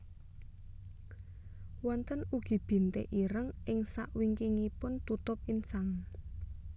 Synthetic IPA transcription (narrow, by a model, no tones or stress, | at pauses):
wɔnt̪ənuɡ̥i̤b̥i̤nt̪ḛʔiɾəŋʔɪŋsa̰ʔwiŋkiŋipʊnt̪ut̪ʊp̚insaŋ